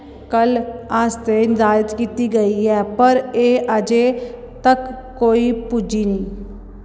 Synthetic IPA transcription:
kəlaːst̪eɪnzaːət̪kiːt̪iɡəiɛːpəɾeːʔəd͡ʒeː | t̪əkː | oːipud͡ʒiːnĩː

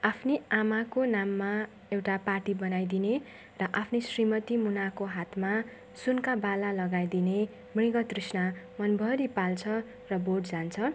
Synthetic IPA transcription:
apʰneamakonamːa | ewʈaparʈibʌnajd̪ine | rʌʔapʰnesrimʌt̪imunakoɦat̪ʰma | sunkabalalʌɡajd̪ine | mɽiɡʌt̪risnamʌnbʱʌɾipalt͡sʰʌ | rʌboʈd͡zant͡sʰʌ

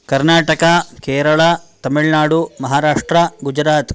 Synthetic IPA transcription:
kɐɾnaːʈɐkɐkeːɾɐɭɐt̪ɐmiɭnaːɽumɐɦaːɾaːʂʈɾɐɡud͡ʒɾaːt̪

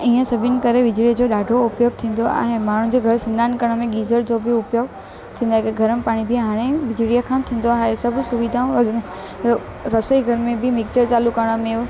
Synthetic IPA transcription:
ĩːə̃sɐbʱɪnɪ̆kɐɾeʋɪd͡ʑɽid͡ʑoːɗaːɖʱoʊpjoːɡ̚t̪ʰĩːn̆d̪oa̰ːɦemaːɳ̤ũd͡ʑeːɡʱɐɾsɪ̃naːnkɐɽ̃mẽɠiːzəɾd͡ʑoːbɪʊpjoːɡ | t̪ʰĩːnd̪aɦekɡʱɐɾənɪ̆paːɽ̃ibʱĩɦaːɽ̃eʋɪd͡ʑɽijakʰãːt̪ʰĩːn̆d̪oaːɦesɐbʱsʊʋid̪ʱãʋɐdʱən | ɾɐsəiɡʱɐɾmẽbʱɪmɪk̚t͡ɕəɾt͡ɕaːlukɐɾəɽ̃̆mẽ

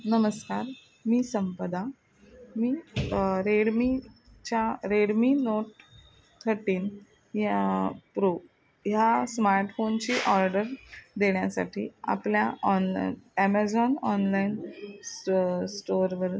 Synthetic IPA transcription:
nəməskaɾ | miːsəmpəd̪a | miːɾeɽmi | t͡ɕaɾeɽmiːnoʈ | t̪ʰːəɾʈiːn | jpɾu | jasmaɾʈfont͡ɕiːʔɔɾɖəɾd̪eɽ̃jasa̰ʈʰḭːa̰pljaɔnæmad͡zɔnɔnlain | sʈoɾʋəɾ

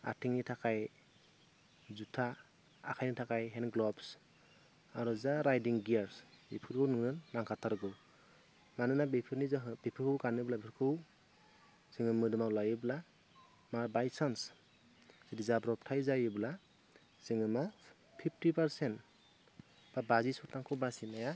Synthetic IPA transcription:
a̰tʰiŋnitʰakaj | zutʰa | a̰kʰajnitʰakajɦɛnɡlɔbs | aɾɔzaɾajdiŋɡiaɾsbḭpʰɯɾɡɯwnɯŋnɯnːaŋkʰatʰaɾɡɯw | manɯnabipʰɯɾnizaɦɯbipʰɯkʰɯwkanɯblabipʰɯkʰɯw | zɯŋɯmɯdɯmawlajɯbla | maɾbajsans | z̥idizabɾɔp̚tʰajzajɯbla | z̥ɯŋɯma | pʰip̚ʰtipaɾsent | b̥abazisɔtaŋkʰɔbasinaja

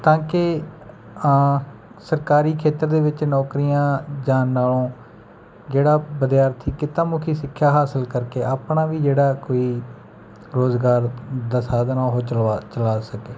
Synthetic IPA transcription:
t̪ãːkɪ | səɾkaːɾiːkʰeːt̪əɾd̪eːʋɪt͡ʃnɔːkɾijãːd͡ʒaːnːaːlõː | d͡ʒeːɽaːbəd̪ɪjaːɾt̪ʰiːkɪt̪ãːmʊkʰiːsɪkʰːjaːɦaːsəlkəɾkeːaːpɳaːʋiːd͡ʒeːɽaːkoːiː | ɾoːzɡaːɾd̪aːsaːd̪nãːɦoːt͡ʃəat͡ʃəlaːsəkeː

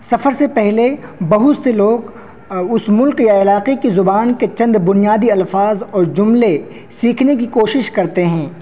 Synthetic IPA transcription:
sɐfəɾsepɛɦlebɐɦʊt̪seloːɡ | ʊsmʊlkjaɪlaːqekizʊbaːnket͡ʃɐ̃nd̪bʊnijaːd̪iɐlfaːzɔːɾd͡ʒʊmle | siːkʰnekikoːʃɪʃkɐɾt̪eɦɛ̃ː

